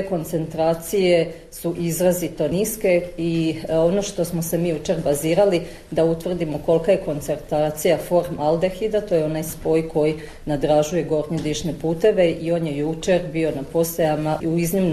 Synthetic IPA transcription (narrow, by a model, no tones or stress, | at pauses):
eko̞nt̪se̞nt̪ɾaːt̪sije | suʔizɾazit̪o̞niske̞io̞no̞ʃt̪o̞smose̞miːjut͡ʃe̞ɾbaziːɾali | d̪aut̪ʋr̩d̪imo̞ko̞lˠkaje̞ko̞nt̪se̞ɾt̪aːt̪sijafo̞ɾmalˠd̪exid̪at̪o̞jeo̞najspo̞ːjkʰo̞ji | nad̪ɾaːʒuje̞ɡo̞ɾnid̪iʃne̞puːt̪e̞ʋe̞ʔio̞ːnjejut͡ʃe̞ɾbio̞napo̞sejamauiznimn